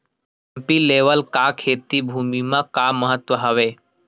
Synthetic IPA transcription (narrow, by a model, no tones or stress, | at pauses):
ɛmpileʋəlkakʰet̪ibʱuːmimãkaməɦət̪ʋəɦəʋe